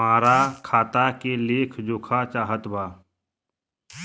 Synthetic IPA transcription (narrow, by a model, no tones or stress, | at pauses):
aːɾakʰaːt̪akeleːkʰd͡ʒoːkʰat͡ʃaːɦət̪bʱaː